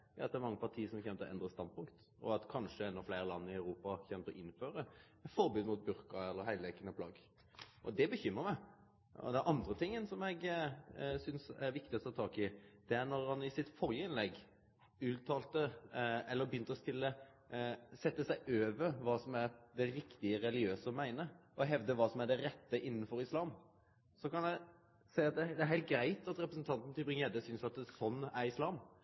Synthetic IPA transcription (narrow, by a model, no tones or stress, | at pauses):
ɑt̪̚d̪ɛæɾmɑŋːəpɑt̪ʰiːəsɔmçɛmt̪əɔʔɛ̰nd̪ɾəst̪ɑnd̪̚pʊŋkt̪ | ʔɔ̰ɑt̪kʰɑnʂəɛnːɔfleɪɾəlɑnːɪɑʉɾuːpɑçɛmt̪ɔʔɪnːføːɾə | fɔɾbʉːd̪mʊt̪̚bʉɾkəɛlːəɾhæɪleːkənəpʰlɑ̰ːɡ | ʔɔ̰d̪ɛbəçʏmːəɾmæɪ | ɔ̰d̪ɛæɾʔɑnd̪ɾət̪ʰɪŋːənsɔmɛɡ | sʏnsæɾʋɪk̚t̪ɪɔt̪ʰɑːt̪ʰɑːkɪd̪̥ɛæɾnɔɾhɑnɪsɪt̪fɔɾjəɪnlɛɡ | ʉːt̪ʰːɑːlt̪əɛlːəɾbjʏnt̪əɔst̪ɪlːə | sɛt̪ːəsæɪʔøːʋəɾʋɑːsɔmæɾd̪ɛɾɪkt̪ɪəɾɛlɪøːsəɔmæɪnəʔɔɦɛʋd̪əʋɑːsɔmæɖɛɾɛt̪ːəʔɪnːn̩fɔɾɪslɑːm | sɔkɑnæ | sæɪɑt̪̚d̪ɛd̪ɛæɾɦæɪlt̪̚ɡɾæɪt̪ɑt̪ɾɛpɾəsn̩t̪ʰɑnt̪n̩t̪ʰɪbʁɪŋəɛd̪əsʏnsɑt̪sɔnːæɾɪslɑːm